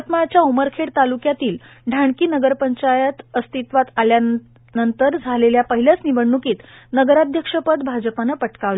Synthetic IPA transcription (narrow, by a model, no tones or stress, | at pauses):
t̪mat͡ɕjauməɾkʰeɽt̪alukjat̪iːl | ɖʱaɳkiːnəɡəɾpəɲt͡ɕajət̪əst̪it̪ʋat̪alja | nənt̪əɾd͡zʱaleljapəɦilət͡sniʋəɳːukiːt̪nəɡəɾad̪ʱjəkʂəpəd̪bʱad͡zəpanəpəʈkaʋl